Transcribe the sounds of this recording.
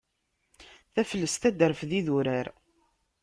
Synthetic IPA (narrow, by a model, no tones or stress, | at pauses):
θæfəlːəst̪æd̪əɾfðiðuɾæɾ